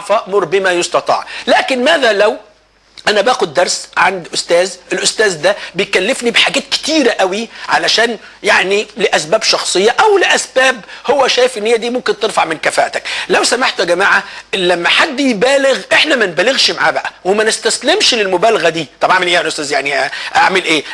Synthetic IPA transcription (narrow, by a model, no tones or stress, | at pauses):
fæʔmʊɾˤbɪmæjost̪ɑt̪ˤɑ̰ːʕlæːkɪnmæːðælæw | ʔænæbæːxʊd̪ːɑɾˤsʕand̪ʔʊst̪æːzelʔʊst̪æːzd̪æbejkælːɪfnibħaɡæːt̪̚kɪ̥t̪iːɾæʔæwiʕa̰læʃæːn | jaʕnilɪʔæsbæːbʃɑxsˤɨjːɑʔæwlɪʔæsb̥æːbhowːæʃæːjɪfʔɪnːhejːæd̪iːmʊmkɪnt̪ɨɾfɑaʕmɪnkæfæ̰ːʔt̪æklæwsæmaħt̪ɡæmaːʕalæmːæħad̪ːjbæːleɣʔeħnæmænbæːlɪɣʃmaʕaːbaʔæwɪmænɪst̪æslemʃlɪlmʊbæːlaɣæd̪iːt̪ˤɑbʔaʕmelʔeːʔænʔʊst̪æːzjaʕniʔaʕmelʔeː